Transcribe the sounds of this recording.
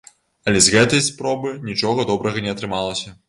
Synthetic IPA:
ɐlʲɛzɣɛt̪ɐjspɾɔbɨnʲit͡ʂɔɣɐd̪ɔbɾɐɣɐnʲɛɐt̪ɾɨmalˠɐsʲɐ

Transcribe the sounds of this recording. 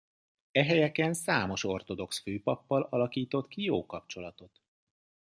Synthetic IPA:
ɛɦɛjɛkɛnsaːmo̞ʃo̞rt̪o̞d̪o̞ksføːpɒpːɒlɒlɒkiːt̪o̞t̪kijoːkɒpt͡ʃo̞lɒt̪o̞t̪

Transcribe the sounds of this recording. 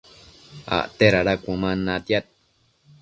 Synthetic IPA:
a̰ʔt̪eɾaɾakʷũmãnãt̪jat̪̚

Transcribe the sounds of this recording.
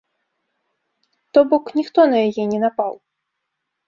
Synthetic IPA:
t̪ɔbɔknʲixt̪ɔnɐjajɛnʲɛnapaw

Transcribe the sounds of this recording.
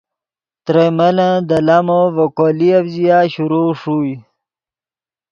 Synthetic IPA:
t̪ɾeməlãd̪əlamovokoliabzijaːɕuɾuːʂuj

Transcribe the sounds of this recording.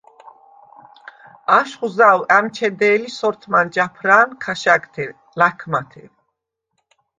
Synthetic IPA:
aʃχuzawæmt͡ʃʰɛd̪ɛːlisɔɾt̪ʰmand͡ʒapʰɾaːnkʰaʃaɡt̪ʰɛ | lakʰmat̪ʰɛ̰v

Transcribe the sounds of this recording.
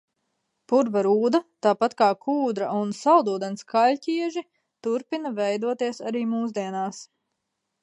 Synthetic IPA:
puɾvaɾuːd̪at̪aːpat̪kaːkʰuːd̪ɾaunsawd̪uːd̪ɛnskalʲciɛʒi | t̪uɾpinɐvɛjd̪uɔt̪iɛsa̰ɾiːmuːzd̪iɛnaːs

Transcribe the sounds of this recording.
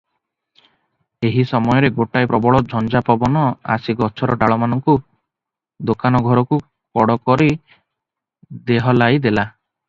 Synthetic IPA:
eɦisɔmɔjɔɾeɡoʈajpɾɔbɔɭɔd͡ʒʱɔnd͡ʒapɔbɔnɔa̰siɡɔt͡ʃʰɔɾɔɖaɭɔmanɔŋku | d̪okanɔɡʱɔɾɔku | kɔɽɔkɔɾi | d̪eɦɔlajd̪ela

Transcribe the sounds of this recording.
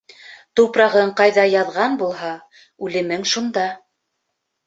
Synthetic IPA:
t̪uwprɑʁɤɴqɑjðɑjɑðʁɑnbulˠɦɑ | ʉlɘ̆mɘŋʃund̪ɑ

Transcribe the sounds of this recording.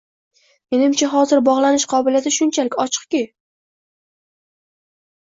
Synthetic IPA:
me̞nɪmt͡ʃʰaɦɒzɪɾbɒʁlˠanɪʃqʰɒbɪljat̪ʰɪʃʊnt͡ʃʰalɪkʲɒt͡ʃʰɨ̥qkʲɪ

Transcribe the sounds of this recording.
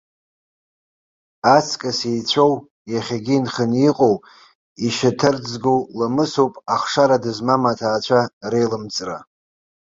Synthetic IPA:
at͡sʰkʼasejt͡ɕʷʰow | jaχʲaɡʲiinχəniqʼow | iʃatʰɨrd͡zɡowlamɨsowpʼaχʂaɾadɨzmamatʰaːt͡ɕʷʰarejlɨmt͡sʼra

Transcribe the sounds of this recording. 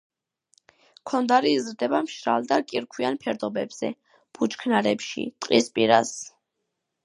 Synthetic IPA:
kʰɔnd̪aɾiːzɾd̪ɛbamʃɾa̰ld̪akʼiɾkʰwianpʰɛɾd̪ɔbɛbz̥ɛ̰ | b̥ut͡ʃkʰnaɾɛpʃḭt̪ʼqʼispʼiɾa̰s

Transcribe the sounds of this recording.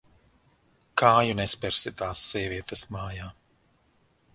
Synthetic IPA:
kʰaːjunɛspɛɾsit̪aːsːiɛviɛt̪ɐsmaːjaː

